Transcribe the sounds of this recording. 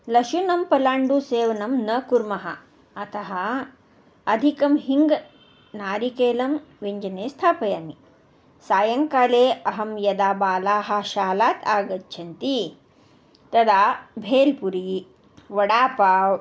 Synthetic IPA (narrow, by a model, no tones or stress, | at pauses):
lɐʃunɐmpɐlaːɳɖuseːʋɐnɐmnɐkuɾmɐɦɐ̰ː | t̪ɐɦɐː | d̪ʱikɐmhiŋɡ | naːɾikeːlɐmʋeɲd͡ʒɐneːst̪ʰaːpɐjaːmi | saːjɐŋkaːleːɐɦɐmjɐd̪aːbaːlaːɦɐʃaːlaːt̪ʰaːɡɐtːt͡ʃʰɐnt̪i | t̪ɐd̪aːbʱeːlpuɾi | ʋɐɽaːpaːw